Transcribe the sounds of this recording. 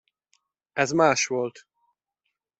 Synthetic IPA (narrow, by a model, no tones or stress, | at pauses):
ɛzmaːʃʋo̞lt̪